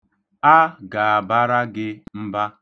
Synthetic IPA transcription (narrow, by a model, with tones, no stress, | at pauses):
a˦ɡa˨a˨ba˦ɾa˦ɡɪ˦m̩˦ba˦